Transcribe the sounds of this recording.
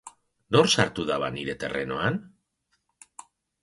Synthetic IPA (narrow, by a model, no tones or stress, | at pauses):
noɾsaɾt̪uðaβaniɾe̞t̪e̞reno̞an